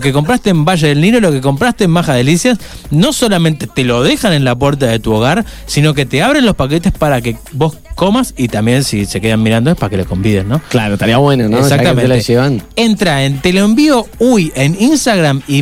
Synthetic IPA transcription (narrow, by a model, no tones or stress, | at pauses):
okeko̞mpɾast̪eːmbaʒeðelniɾolokeko̞mpɾast̪eːmmaxaðe̞lisjasno̞so̞lamẽnt̪e̞t̪e̞lo̞ðe̞xanẽ̞nlapweɾt̪aðe̞t̪uoɣaɾsino̞k̬e̞t̪eaβɾe̞nlo̞spak̬e̞t̪espaɾak̬eβo̞s | ko̞masit̪ambje̞nsise̞ke̞ðamːiɾand̪oepaake̞loko̞mbiðennːo̞klaɾoet̪aɾiaβwenonoeksakt̪ammenʒeβanent̪ɾaent̪e̞loembio̞uje̞ninst̪aɣɾami